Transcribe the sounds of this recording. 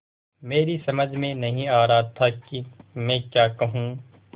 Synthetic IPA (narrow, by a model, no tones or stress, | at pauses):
meːɾisɐməd͡ʒʱmẽnɐɦĩaːɾɐɦat̪ʰakimɛ̃ːkjaːkɐɦũ